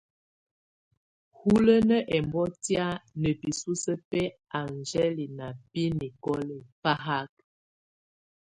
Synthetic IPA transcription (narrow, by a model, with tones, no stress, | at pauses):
hu˦lə˦nə˦ʔɛ˨mbɔ˦tja˦nə˨pi˨su˦sə˦pɛ˦a˨nd͡ʒɛ˦li˨na˨pi˦ni˨kɔ˦le˨pa˦ɦa˦k̚